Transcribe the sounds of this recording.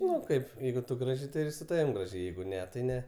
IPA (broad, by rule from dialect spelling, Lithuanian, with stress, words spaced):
ˈnʊ ˈkɐɪp ˈjɛɪɡʊ tʊ ˈɡrɑːʒʲɛɪ tɐɪ ɪr sʊ ˈtɑːʋʲɪm ˈɡrɑːʒʲɛɪ ˈjɛɪɡʊ ˈnʲɛ tɐɪ ˈnʲɛ